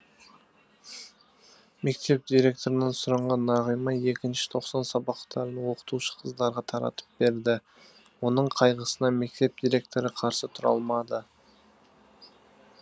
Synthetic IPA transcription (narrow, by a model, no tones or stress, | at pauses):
me̞k̚t̪e̞p̚d̪ijɾe̞k̚t̪o̞ɾənɑnsʊɾɑɴʁɑnːɑʁəjmɑe̞kʲɪnʃɪ̥t̪ʰo̞qsɑnsɑbɑqt̪ʰɑɾənwo̞qə̥t̪uʃə̥qʰəzd̪ɑɾʁɑt̪ʰɑɾɑ̰t̪ə̥p̚be̞ɾd̪ɪ | wo̞nəɴqʰɑjʁəsənɑme̞k̚t̪e̞p̚d̪̥ijɾʲe̞k̚t̪o̞ɾəqʰɑɾsət̪ʰʊɾɑ̰lˠmɑd̪ə